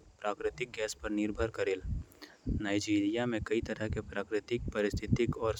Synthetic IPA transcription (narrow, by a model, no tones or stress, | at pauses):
pɾaːkɾɪt̪ɪk̚ɡɛːspɐɾnɪɾbʱəɾkɐɾeːl | naːɪd͡ʒiːɾijamẽkɐit̪ɐɾəɦkepɾaːkɾɪt̪ɪk̚pɐɾɪst̪ʰɪt̪ɪkɔːɾ